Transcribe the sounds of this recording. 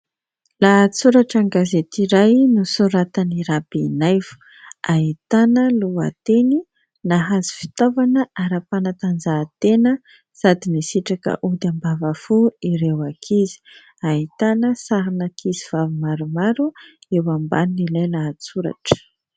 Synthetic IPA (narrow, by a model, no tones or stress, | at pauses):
laːt͡suɾaʈ͡ʂaŋɡazet̪iɾajnusuɾat̪aniɾabinajvu̥ | aɦit̪anəlua̰t̪eni | naɦazi̥fi̥t̪ovanəʔaɾapanat̪and͡zaːt̪enə | sad̪inisiʈ͡ʂakə̰ʔud̪ambavafuiɾewakʰizi̥ | aɦit̪anəsaɾinakʰiziv̥avimaɾumaɾuewamba̰nnilajlaat͡suɾa̰ʈ͡ʂə̥